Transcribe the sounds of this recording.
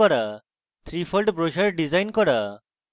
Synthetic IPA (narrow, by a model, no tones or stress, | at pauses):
ɔɾa | t̪ʰɾifʰɔlɖbɾoʃaɾɖizajnkɔɾa